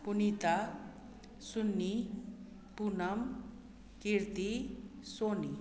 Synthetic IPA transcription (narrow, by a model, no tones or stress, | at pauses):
punit̪a | sunːi | punɐm | kiɾt̪isoːni